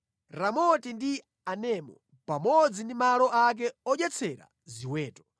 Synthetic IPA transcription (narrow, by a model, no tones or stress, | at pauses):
ɾamɔtindi | anɛmɔ̰ | pamɔd͡zindimalɔak̬ɛɔʄɛt͡sʰɛɾa̰ | ziwɛːtɔ̥